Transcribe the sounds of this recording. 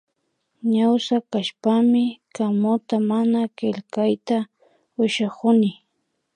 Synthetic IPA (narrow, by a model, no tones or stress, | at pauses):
ɲawsakaʃpamɪkamʊt̪amanakɪʎkajt̪a | ʊʃakʊnɪ